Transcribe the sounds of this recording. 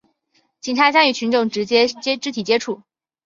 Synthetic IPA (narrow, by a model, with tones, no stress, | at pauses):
t͡ɕi˨˩ŋʈ͡ʂʰa˧˥ɕja˥ŋy˨˩t͡ɕʰy˧˥nʈ͡ʂʊ˥˩ŋʈ͡ʂɻ̩˧˥t͡ɕjɛ˥t͡ɕjɛ˥ʈ͡ʂɻ̩˥t̪ʰi˨˩t͡ɕjɛ˥ʈ͡ʂʰu˥˩